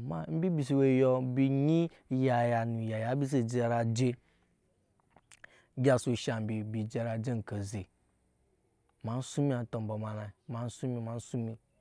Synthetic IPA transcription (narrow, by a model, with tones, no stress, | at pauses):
ma̰˨˦m̩˦bi˦bi˨s̬i˨we˨jɔ˦bi˨ɲi˦ | ja˨ja˨nu˨ja˨ja˨˦bi˦s̬e˦˨d͡ʒe˦a˨ɾa˨d͡ʒe˦ | ɡʲa˦su˨ʃa˨m˨bi˨bi˨d͡ʒe˦a˨ɾa˨d͡ʒe˦ŋ̩˨ka˨ze˨ | ma˨n̩˦su˦mi˦a˨˦to˨m˨ba˨ma˨la˨ma˨˦n̩˦su˦mi˦ma˨n̩˦su˦mi˦